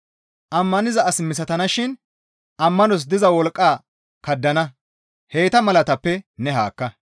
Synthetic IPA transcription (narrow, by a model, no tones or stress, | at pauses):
ʔɐmːɐnɪzɐʔɐsmɪs̬ɐt̪ɐnɐʃɪn | ɐmːɐnɔs̬d̪ɪzɐwɔlkʼːaː | kɐd̪ːɐnɐ | he̞ːt̪ɐmɐlɐt̪ɐpːɛnɛɦaːkːɐ